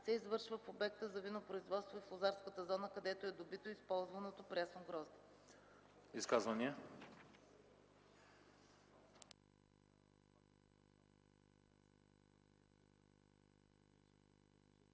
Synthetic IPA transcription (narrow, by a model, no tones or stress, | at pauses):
sɛizvɤɾʃvəfobɛk̚t̪əzɐvinopɾoizvɔt̪st̪voiflˠozaɾskət̪əzɔnəkɐd̪ɛt̪oɛd̪obit̪oispɔlˠzvɐnot̪opɾʲasnoɡɾɔzd̪i | iskazvɐniɛ